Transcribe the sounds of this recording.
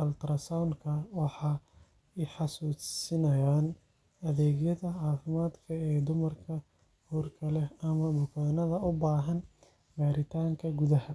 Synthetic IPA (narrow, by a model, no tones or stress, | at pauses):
ʔɐlt̪ɾɐsawnkʰɐwɑħɑː | ɪħɑsuːsɪnɐjaːn | ɐðɛːɣjɐðɐʕɑːfɪmaːd̪kʰɐɛːd̪ʊmɐrkʰɐ | huːrkʰɐlɛɐmɐbʊkʰaːnɐðɐʔʊbaːɦɐn | baːɾɪt̪ʰaːŋkʰɐɡuðɐhɐ